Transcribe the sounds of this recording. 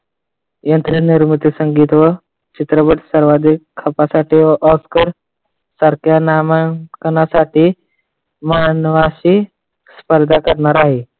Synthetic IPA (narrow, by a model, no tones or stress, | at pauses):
jənt̪ɾiniɾmut̪isəŋɡiːt̪ʋə | t͡ɕit̪ɾəbəʈsəɾʋad̪ʱikʰːəpasaʈiːʔɔskəɾ | səɾkjanamakənasaʈiː | manʋaɕiː | spəɾd̪ʱakəɾɳaɾaɦiː